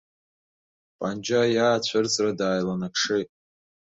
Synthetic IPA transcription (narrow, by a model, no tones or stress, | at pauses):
pʼand͡ʒʼajaːt͡ɕʷʰart͡sʼradaːjlanakʰʂɨ